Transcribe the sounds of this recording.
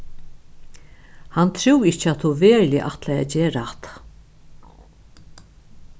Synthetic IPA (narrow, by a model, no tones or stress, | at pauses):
hant̪ʰɾuwɪht͡ʃːat̪ʰuveːɾlɪʔaht̪laɛ̰d͡ʑeːɾat̪